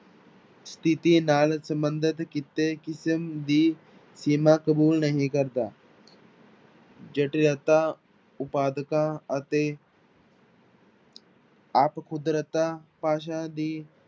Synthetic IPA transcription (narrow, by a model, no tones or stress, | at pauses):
st̪ʰɪt̪inaːlsə̃mbənd̪ət̪kɪt̪ːekɪsəmd̪iː | siːmãːkəbuːlnəɦĩkəɾd̪aː | d͡ʒəʈɾət̪a | ʊpaːd̪əkãət̪e | aːpkʰʊd̪ɾət̪aːpaːʃ̬ãd̪iː